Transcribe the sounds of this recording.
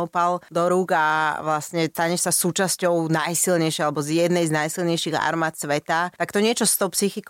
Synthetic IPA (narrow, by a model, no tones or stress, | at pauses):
upald̪ɔɾuɡaʋlasɲɛt̪aɲɛsasuːt͡ʃascɔʊnajsilɲɛjʃɛalɛbɔzjɛd̪nɛjznajsilɲɛjʃiɣa̰ɾmaːt̪sʋɛt̪at̪akt̪ɔɲɪɛt͡ʃɔst̪ɔʊpsixik